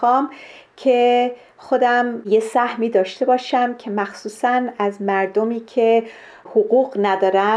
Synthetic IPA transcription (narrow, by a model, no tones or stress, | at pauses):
ɒːmkʰe̞ | xod̪æmjesæhmiːd̪ɒːʃt̪e̞bɒːʃæmcʲʰe̞mæxsuːsænæzmæɾd̪omiːcʰe | hoɣuːɣnæd̪ɒːɾæ